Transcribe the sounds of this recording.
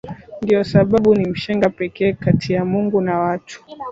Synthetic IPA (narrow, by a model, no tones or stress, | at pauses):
ndijɔsaɓaɓunim̩ʃɛŋɡapɛkɛːkatʰijamuŋɡunawatʰu̥